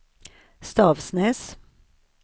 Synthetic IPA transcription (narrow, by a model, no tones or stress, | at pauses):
st̪ɑːʋsneːs